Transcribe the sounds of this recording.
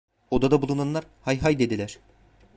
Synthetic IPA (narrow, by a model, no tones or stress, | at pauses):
od̪ad̪abulˠunanlˠaɾhajɦajd̪e̞d̪ilʲæɾ̥